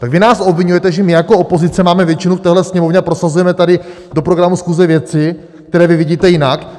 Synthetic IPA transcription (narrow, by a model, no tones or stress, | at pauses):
t̪aɡvɪnaːso̞bvɪɲujɛt̪ɛʒɛmɪjakoopozɪt͡sɛmaːmɛvjɛt͡ʃɪnuft̪ɛːɦlɛsɲɛmo̞vɲɛapɾo̞sazujɛmɛt̪adɪ | do̞pɾo̞ɡɾamusxuːzɛvjɛt͡sɪ | kt̪ɛɾɛːvɪvɪɟiːt̪ɛjɪnak